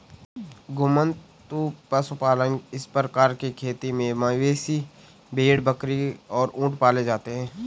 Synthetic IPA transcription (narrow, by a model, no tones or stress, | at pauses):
ɡʊmən | t̪upəsupaːlənɪspɾəkaːɾkekʰeːt̪imẽmaʋeːsi | bʱeːɽbəkɾiɔːɾũːʈpaːled͡ʒaːt̪eɦɛ̃ː